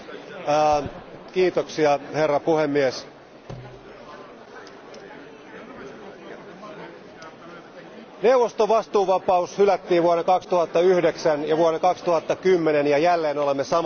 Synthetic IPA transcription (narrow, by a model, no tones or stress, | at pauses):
kiːt̪oksiɑherːɑpuhemːies | ne̞uʋost̪oʋɑst̪uːʋɑpɑushylæt̪ːiːʋʋuoɾekɑkst̪uhɑt̪ːɑyhdeksænjɑʋuonekɑkst̪uhɑt̪ːɑkymːenenjɑjælːeːnolemːesɑ